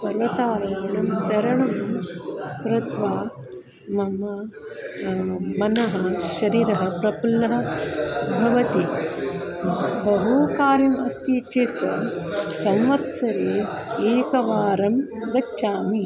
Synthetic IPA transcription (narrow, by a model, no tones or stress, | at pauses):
pɐɾʋɐt̪aːɾɐaːɳɐmt͡ʃɐɾɐɳɐm | kɾɪt̪ʋaː | mɐmɐ | mɐnɐɦɐ̆ʃɐɾiːɾɐɦɐpɾɐpulːɐɦɐ̆ | bʱɐʋɐt̪i | bɐɦukaːɾjɐmɐst̪iːt͡ʃit̪ɐsɐmʋɐt̪sɐɾiː | eːkɐʋaːɾɐmɡ̪ɐtːʃaːmi